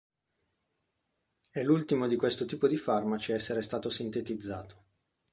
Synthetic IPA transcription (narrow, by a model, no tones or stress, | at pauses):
ɛlult̪imod̪ikwest̪ot̪iːpod̪ifarmat͡ʃiɛsːeɾest̪aːt̪osint̪et̪id̪zːaːt̪ʰo̥